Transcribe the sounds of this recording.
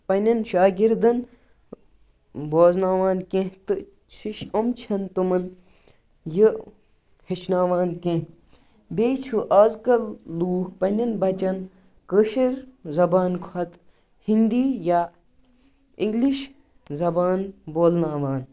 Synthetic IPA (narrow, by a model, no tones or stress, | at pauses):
pɐnʲɐnʃaːɡiɾd̪ɐn | boːznaːʋaːnkẽɦt̪ɨ | t͡ʃʰiʃɐmt͡ʃʰɐnt̪umɐn | jə | het͡ʃnaːʋaːnkẽ | beːt͡ʃʰuʔaːzkɐlːuːkpɐnʲɐnbɐt͡ʃɐn | kəʃiɾzɐbaːnkʰɐt̪ | hind̪iːja | iŋɡliʃ | zɐbaːnboːlnaːʋaːn